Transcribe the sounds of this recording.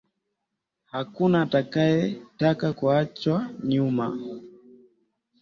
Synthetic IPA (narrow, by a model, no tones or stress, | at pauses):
hakunaːtakajɛtakakuat͡ʃwaɲuma